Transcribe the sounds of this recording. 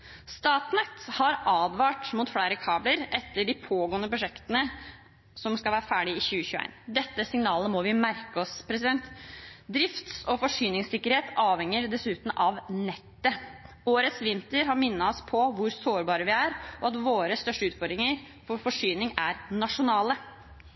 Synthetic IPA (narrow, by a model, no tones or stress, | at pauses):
st̪ɑːʈnɛt̪hɑɾɑːd̪ʋɑːʈmʊt̪fleːɾəkʰɑːbləɾɛt̪ːəɖɪpʰoːɡɔːənəpɾʊʂɛkt̪ənə | sɔmskɑʋæːɾəfæːɖɪɪçʉːəçʉːḛɪnd̪ɛt̪ːəsɪŋnɑːləmɔʋɪmæɾkəɔspʰɾɛsɪd̪ɛnt̪d̪ɾɪft̪sɔfɔʂyːnɪŋsɪkːəɾheːt̪ɑːʋhɛŋəɾd̪ɛsʉːt̪n̩ʔɑʋnɛt̪ːə | oːɾət̪sʋɪnt̪əɾɦɑɾmɪnːɑɔspʰɔʋʊɾsoːɾbɑːɾəʋɪæːɾʔɔɑt̪ʋoːɾəst̪œʂʈəʉːt̪fɔɾd̪ɾɪŋəɾ | fɔɾfɔʂyːnɪŋæɾnɑʂʊnɑːlə